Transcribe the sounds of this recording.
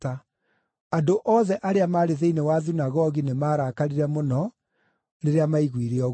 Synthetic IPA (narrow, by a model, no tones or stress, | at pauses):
a | adoʔɔðɛʔaɾeamaːɾeðeinewaðunaɣɔɣinemaːɾakaɾiɾɛmonɔ | neɾeamaiɣwiɾeɔɣ